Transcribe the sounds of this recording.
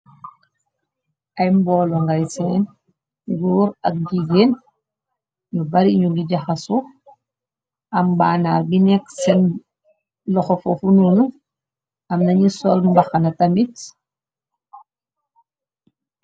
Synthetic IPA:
ʔɐjmbɔlɔŋɡajsɛn | ɡuːɾɐk̚ɟiɡeːn | ɲubɐɾiɲuɡiɟɐxɐsu | ɐmbaːnaːlbinɛksɛn | lɔxɔfɔfununu | ɐmnɐɲisɔlmbɐxɐnɐtɐmit

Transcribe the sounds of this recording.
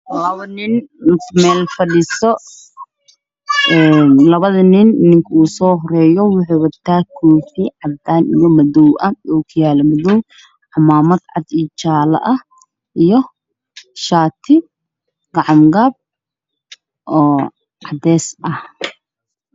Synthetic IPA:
lɐβɐnɪnmɛːlfɐɽisɔ | ɛnlɐβɐðɐnɪnɪnɪŋkʰɐuːsɔːɦɔɾɛːjɔwʊħʊwɐt̪ʰaːkʰuːsiʕɑd̪aːnijɔmɐðɔwʔɐɔːkʰʊjaːlɐmɐðɔw | ħɑmaːmɐd̪ʕɑd̪it͡ʃaːlɐ̰ʔɐh | ʔijɔ | ʃaːt̪ʰɪ | ɡ̥ɑʕɑmɡaːb̚ | ʔɔː | ʕɑd̪ɛːsʔɐh

